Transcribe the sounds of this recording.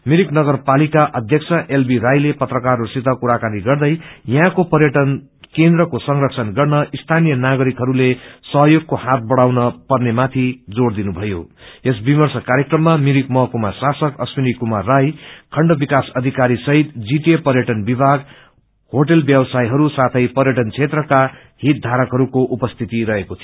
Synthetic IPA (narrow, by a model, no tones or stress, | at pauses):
miɾiknʌɡʌrpalikaʔʌd̪ʱjʌk̚t͡sʰʌʔelbiɾajlepʌt̪rʌkarːosit̪ʌkuɾakaniɡʌrd̪ʌjjʌɦãkopʌrjʌʈʌn | kend̪rʌkosʌŋrʌkt͡sʰʌnɡʌrnʌʔist̪ʰanijʌnaɡʌɾikɦʌɾulesʌɦʌjoɡ̚kohat̪̚bʌɽawnʌpʌrnemat̪ʰid͡zoɽd̪inubʱʌjo̰esbimʌrsʌkaɾjekrʌmːamiɾik̚mʌɦkumasasʌkʌsminikumarːajkʰʌɳɖʌbikasʌd̪ʱikaɾisʌɦit̪d͡ziʈepʌɾjʌʈʌnbibʱaɡ | hoʈʌlbjʌbsajɦʌɾusat̪ʰʌjpʌɾjʌʈʌnt͡sʰet̪rʌka | ɦit̪̚d̪ʱaɾʌkɦʌɾukoʔupʌst̪ʰit̪iɾʌɦekot̪ʰi